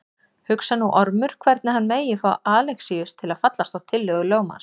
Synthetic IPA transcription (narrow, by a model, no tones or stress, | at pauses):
hʏksanuʔɔɾmʏɾ̥kʰvɛɾt̪nɪhanːmeːjɪfɾawʔaːlɛxsiʏst̪ʰɪlaðfat̪last̪awt̪ʰɪlːœɣʏloːwma̰ns